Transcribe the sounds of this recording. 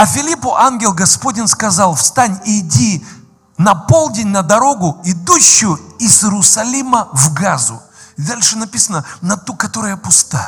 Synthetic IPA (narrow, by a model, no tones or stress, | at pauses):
ɐfʲɪlʲipʊʔanɡʲɪlˠɡɐspo̞dʲɪnskɐzɑlˠfst̪anʲɪdʲi | nɐpo̞lˠdʲɪnʲnəd̪ɐɾo̞ɡʊɪd̪uɕːʊjʊɪzɾʊsɐlʲiməvɡazʊ̰ | ɪd̪alʲʂɨnɐpʲisənənɐt̪ukɐt̪o̞ɾɨjəpʊst̪aj